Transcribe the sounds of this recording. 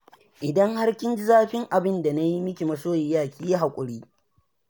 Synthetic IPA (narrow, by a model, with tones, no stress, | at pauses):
ʔɪ˨dɐ˦ŋha˦rkʲɪ˦nd͡ʒɪ˦zaː˦ɸɪ˦ŋʔa˨bɪ˦nda˨na˦ji˦mɪ˦kʲi˨mɐ˨soː˦jɪ˨˦jaː˦˨kʲiː˦ja˦ɦa˨kʷʼʊ˨ɽiː˦